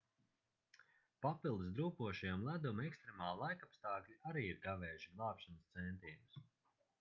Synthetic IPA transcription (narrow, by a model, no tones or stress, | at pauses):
papilˠd̪ɨsd̪ɾuːpuɔʃijamlˠæd̪umɛkst̪ɾemaːlˠlˠajkapst̪aːklʲiaɾiːiɾɡavɛːjʃiɡlˠɑːpʃanst̪sɛnt̪iːnus